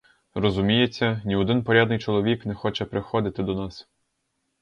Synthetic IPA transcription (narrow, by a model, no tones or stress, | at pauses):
rɔzʊmʲijet͡sʲːɐnʲiɔd̪ɪnpɔɾʲad̪nɪjt͡ʃɔlˠɔʋʲiknɛxɔt͡ʃɛpɾɪxɔd̪ɪt̪ɪd̪ɔnɑs